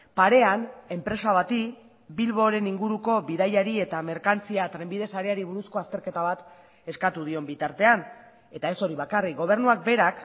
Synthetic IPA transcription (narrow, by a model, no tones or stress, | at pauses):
paɾe̞ane̞mpɾe̞saβat̪i | bilβo̞ɾe̞niŋɡuɾuko̞βiðajaɾie̞t̪ame̞ɾkant͡siat̪ɾe̞mbiðe̞saɾeaɾiβuɾusko̞ast̪e̞ɾke̞t̪aβ̞at̪ | e̞skat̪uð̞io̞mbit̪aɾt̪e̞an | e̞t̪ae̞so̞ɾiβakariɡo̞β̞e̞ɾnuak̚be̞ɾak